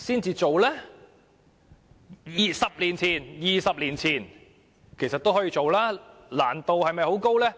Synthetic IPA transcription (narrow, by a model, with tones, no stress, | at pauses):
siː˥nt͡siː˧t͡ʃo˨wlɛː˥ | jiː˨˩sɐ˨p̚liː˨˩nt͡sʰiː˨˩njiː˨˩sɐ˨p̚liː˨˩nt͡sʰiː˨˩n | kʰe˨˩jsɐ˨t̪wɦɔ˨˥jiː˧t͡ʃo˨wlaː˥la̰ː˨˩nt̪o˨whɐ˨˧jmɐ˨˧jho˨˥wko˥wlɛː˥